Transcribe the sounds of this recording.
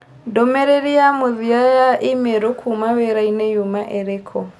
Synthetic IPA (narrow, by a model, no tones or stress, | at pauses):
domɛɾeɾiamuðiajaʔimeɾokʰumaweɾainejumaʔeɾekʰɔ